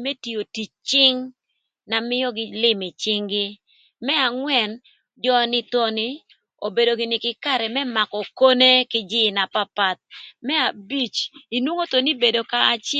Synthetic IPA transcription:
me˦ti˨o˨ti˨t͡ʃt͡ʃɪ˦ŋ | na˨mɪ˦ɔ˦ɡɪ˦lɪ˦mɪ˨t͡ʃɪ˦ŋɡɪ˦ | mɛ˦a˨ŋwɛ˨n | d͡ʒɔ˦nɪ˦t̪o˦nɪ˦ | o˨be˨do˨ɡɪ˨nɪ˨kɪ˦ka˦ɾɛ˨mɛ˦ma˨kɔ˨ko˦ne˦kɪ˦d͡ʒɪ˦na˨pa˦pa˨t̪̚mɛ˦a˨bi˦t͡ʃi˨nwo˦ŋo˦t̪o˨ni˦be˨do˨kaː˦t͡ʃ

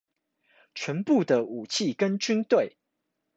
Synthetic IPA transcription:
t͡ɕʰɥə˨˦npu˥˨d̪ə˩u˨˩t͡ɕʰi˥˨kə˦nt͡ɕy˥nt̪we˥˨ɪ

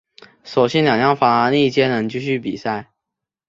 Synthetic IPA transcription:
ʂo˨˩ʊɕɛ˥nljɑ˨˩ŋjɑ˥˩ŋfɑ˧˥ŋa˧ni˥˧t͡ɕjɛ˥nə˧˥nt͡ɕy˥˧ɕy˥˩pḭ˨˩sa˥˩ɪ

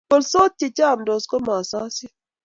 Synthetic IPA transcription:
o˨lso˦t͡ʃːi˨t͡ʃa˦˨mdo˨sko˦ma˨sa˦si˦

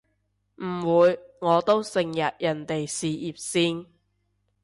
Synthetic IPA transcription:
m̩˨˩wuː˨˧jŋɔː˨˧t̪o˥wsɪ˨ŋjɐ˨t̚jɐ˨˩nt̪e˨jsiː˨ʔiː˨p̚siː˥n

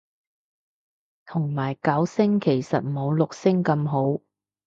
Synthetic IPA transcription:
t̪ʰʊ˨˩ŋmaː˨˩jkɐ˨˥wsɪ˥ŋkʰe˨˩jsɐ˨t̚mo˨˧wlʊ˨k̚sɪ˥ŋkɐ˧mɦo˨˥w

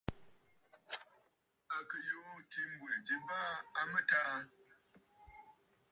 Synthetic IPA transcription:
a˨kə˨jo˦ti˦m̩˦bu˨d͡ʒi˦ba˦a˦mə˦ta˦

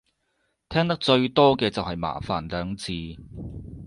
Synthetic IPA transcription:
t̪ʰɛː˥ŋt̪ɐ˥k̚t͡ʃɵ˧ɥt̪ɔː˥kɛː˧t͡sɐ˨whɐ˨jma̰ː˨˩faː˨˩nlœː˨˧ŋt͡siː˨˧

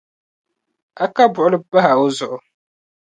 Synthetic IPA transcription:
a˦ka˦bʊ˨ʔʊ˦lba˦ɦa˨ʊ˦zʊ˨ʔʊ˨

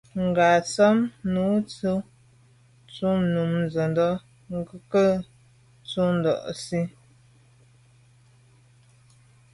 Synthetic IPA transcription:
ŋ̩˨ɡa˨t͡sə˦mnu˨˦t͡su˦ | t͡su˦nu˨mn˨zə˨ndɔ˦ | ŋ˦ɡə˦kə˦ | t͡su˦n̩˨dɔ̰˨ʔsi˦

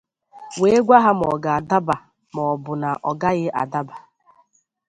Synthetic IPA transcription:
we˦ɡʷa˦ɦa˦m˨ɔ˨ɡa˨a˨da˦ba˨ | mɔ˨bʊ˨na˨ʔɔ˨ɡa˦ɣɪ˦ʔa̰˨da˦ba˨

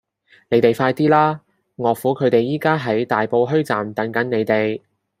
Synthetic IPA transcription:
ne˨˥jt̪e˨jfaː˧jt̪iː˥laː˥ | ŋɔː˨˧fuː˨˥kʰɵ˨˧ɥt̪e˨jːiː˥kaː˥ɦɐ˨˥jt̪aː˨jpo˧wɦɵ˥ɥt͡sa̰ː˨mt̪ɐ˨˥ŋkɐ˨˥nne˨˧jt̪e˨j

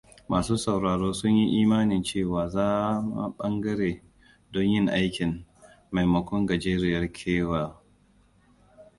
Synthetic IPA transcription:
maː˨suː˦sɐ˨wɾaː˨ɽoː˦sʊ˦ɲji˦ʔiː˦maː˦nɪ˨nt͡ʃeː˦˨waː˨zaː˦ma̰˨ɓɐ˦ŋɡɐ˦ɽeː˨ | dɔ˦ɲjɪ˦˨ŋʔa˦jkʲɪ˨n | ma˨jmɐ˨kʷɔ˦ŋɡɐ˨d͡ʒeː˦ɾɪ˦jɐ˦rkʲʰeː˦waː˨

